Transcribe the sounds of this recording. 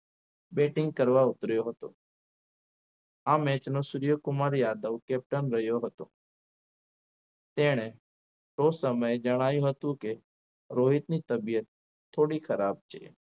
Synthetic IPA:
beʈɪ̃ŋɡ̚kəɾʋaʊt̪ɾjoɦət̪o̰ | amɛ̃t͡ʃnosʊɾijəkʊmaɾjaːd̪əʋkɛp̚ʈənɾəɦjoɦət̪o̰ | t̪eɽ̃e | ʈosəməjd͡ʒəɽ̃ajũɦət̪ũke | ɾoɦɪt̪nit̪əbijət̪ʰː | oːɽikʰəɾaːb̚t͡ʃʰḛḛ

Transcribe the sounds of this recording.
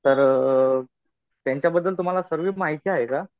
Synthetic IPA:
t̪əɾ | t̪jaɲt͡ɕjabəd̪ːəlt̪um̤alasəɾʋiːmaɦit̪iːaɦeka

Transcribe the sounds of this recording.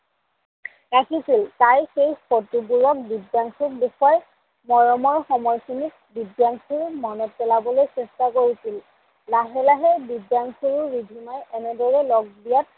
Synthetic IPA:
ɹakʰisiltajxejpotubuɹɔk̚bidjaŋkuk̚bixɔj | mɔɹɔmɔɹxɔmɔɹsinik̚ | bidjaŋsʰuɹumɔnɔt̚pɛlabɔlojsɛstakoɹisil | laɦɛlaɦɛbidjaŋkʰuɹuːidʱimajɛnɛdɔɹɛlɔɡ̚dijat̚

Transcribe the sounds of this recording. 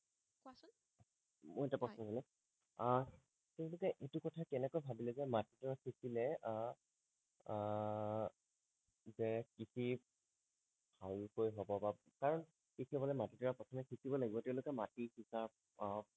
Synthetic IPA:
mʊɛtapɹɔsnɔɦilɛ | tɛʊ̃lʊkɛʔetukɔtʰakɛnɛkojbʱabilɛzɛmatitɔɹakʰisilɛ | zɛkisʰi | bʱalkojɦɔbɔba | kaɹɔn | kikʰɛbɔlɛmatitɔɹapɔtʰɔmɛkʰisibɔlaɡibɔtɛʊ̃lʊkɛmatihisap̚

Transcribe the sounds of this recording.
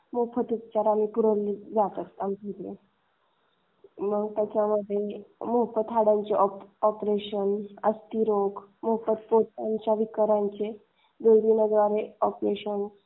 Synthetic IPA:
mopʰət̪ut̚t͡ɕaɾamiːpuɾəɾlid͡zat̪ət̪amiit̪lḛ | məɡt̪jat͡ɕaməd̪ʱːjemoɦpət̪ɦaɽaɲt͡ɕeʔɔɔpɾeɕənəst̪iɾoɡmopət̪̚pot͡saɲt͡ɕjaʋikəɾaɲt͡ɕe | d̪olʋinəd̪ʋaɾeɔpɾeɕən

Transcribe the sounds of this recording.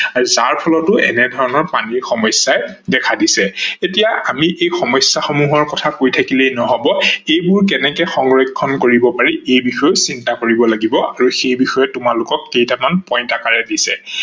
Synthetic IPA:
aɹuzaɹpʰɔlɔtʊʔɛ̰nɛdʱɔɹɔnɔɹpaniɹxɔmɔjsajdɛkʰadisɛetijaʔamiʔejxɔmɔjsjaxomuɦɔɹkɔtʰakojtʰakilejnɔɦɔbɔejbʊɹk̬ɛnɛkɛxɔŋɹɔkʰːɔnkoɹibɔpaɹiejbixɔjʊsintakoɹibɔlaɡibɔaɹuxejbixɔjɛtʊmalʊkɔkːejtamanpɔjntakaɹɛdisɛ̰

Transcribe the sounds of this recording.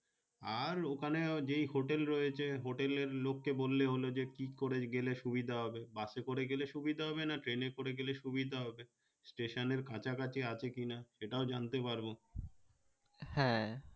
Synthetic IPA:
aɾokʰaned͡ʑejɦoʈelɾɔjet͡ɕʰeɦoʈeleɾlokːebolːeɦolod͡ʑekikoɾeɡeleʃubid̪ʱaɦɔbebasekoɾeɡeleʃubid̪ʱaɦɔbenaʈɾenekoɾeɡeleʃubid̪ʱaɦɔbe | sʈeʃoneɾkat͡ɕʰakat͡ɕeat͡ɕʰekinaʃeʈaod͡ʑant̪epaɾbo | hɛ̃

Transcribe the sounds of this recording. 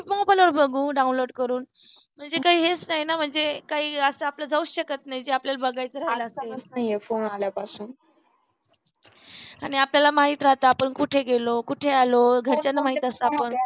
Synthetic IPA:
mɔ̃bəloɾbəɡũːɖaũnloɽkəɾuːn | m̤əɳd͡zekaɦiːɦet͡snaɦjnam̤əɳd͡zekaɦiːəsəaplad͡zʱauːɕəkət̪naɦjd͡ʑeapljalbəɡajt͡səɾaɦeləsesnaɦiefonaljapasuːn | aɽ̃iapljalamaɦit̪ɾaɦt̪aːpəɳkuʈʰeɡelokuʈʰealoɡʱəɾt͡ɕjanːəmaɦit̪asaːpəɳ

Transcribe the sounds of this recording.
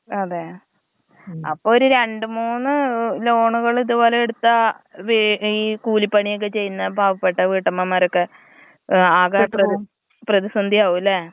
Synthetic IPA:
ɐðe | ɐpːoːoɾuɾe̞ɳɖɨmuːnːɨlo̞ːɳuɣɐɭiðubo̞ːleeɽut̪ːɐʋiikuːlipːɐɳijok̬ːet͡ɕe̞jːunːɐbʱaːʋɐpːeʈːɐʋiʈːɐmːamaːɾokːe | aːɣaːrɐ | prɐðisɐnd̪ʱiaːʋulːe

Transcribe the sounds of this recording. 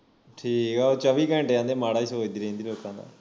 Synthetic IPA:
ʈʰiːkɛot͡ʃəʋiːkə̃ːɳʈeãːnd̪eːmaːɽaːisoːd̪iːɾẽĩnd̪iːloːkãːd̪a̰ː

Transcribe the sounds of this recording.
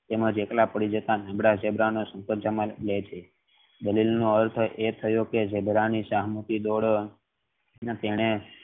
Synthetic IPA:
t̪eməd͡ʒeklapəɽid͡ʒət̪anəbɽad͡ʒebʱɾanosə̃ŋpət̪̚d͡ʒamalet͡ʃʰe | d̪əlilnoəɾt̪ʰəʔet̪ʰəjoked͡ʒebʱɾaniʃaɦmut̪id̪oɽ | nt̪eɽ̃e

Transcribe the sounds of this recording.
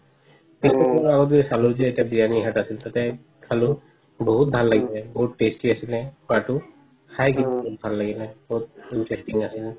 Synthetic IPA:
pispɔkɔaɡɔt̬iɛsaluzɛetiabijaniɦatasilt̪atɛ | kʰalʊ | boɦut̚bʱalːaɡilɛboɦutːestiasilɛatʊ | kʰajkinbout̚bʱalːaɡilɛboɦut̚inpʰestiŋasil

